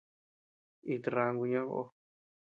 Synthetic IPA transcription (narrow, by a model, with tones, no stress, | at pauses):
i˧t̪ɾa˧ŋɡu˧ɲã˦βo̰˧ʔo˧